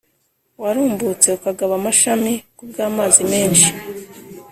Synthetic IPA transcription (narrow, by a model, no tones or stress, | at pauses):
waɾuːmbut͡se̞ukaɡaβamaʃamikubɡaːmaːzime̞ːnʃi̥